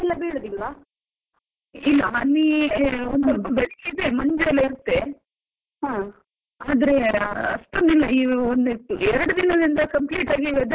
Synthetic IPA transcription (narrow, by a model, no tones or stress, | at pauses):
ilːɐbeːɽɐd̪ilːa | ilːɐɐnːiond̪ɐbɐbeɭiked̪emɐɲd͡ʒeɐlːɐiɾut̪ːe | ɦãː | aːd̪ɐɾe̞ɐ̰sʈunilːɐiːond̪uɛɾɐɽud̪inɐd̪ind̪ɐkɐmpliːʈaːɡiʋɛd̪